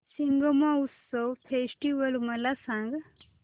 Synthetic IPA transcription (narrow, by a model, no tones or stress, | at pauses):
siŋɡəmausowfʰeːsʈiʋəlmɐlasãŋɡ